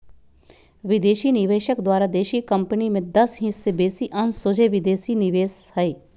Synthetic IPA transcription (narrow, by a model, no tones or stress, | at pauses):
ʋɪd̪eːʃinɪʋeːʃəkd̪waːɾad̪eːʃikə̃mpənimẽd̪ɐsɦĩsebeːsiʔɐnsod͡ʒeʋɪd̪eːsinɪʋeːshɛeː